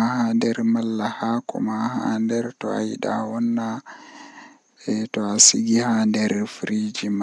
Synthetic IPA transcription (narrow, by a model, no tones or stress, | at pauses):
ahandɛɾmalːahakɔ̰mahandɛɾtɔ̰a̰jiɗa̰wɔnːa | ɛtɔasiɡihandɛɾfɾid͡ʒima